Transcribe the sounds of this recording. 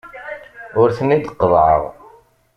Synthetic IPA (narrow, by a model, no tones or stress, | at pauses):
ʊɾθənid̪qːəðˤʕə̰ʁ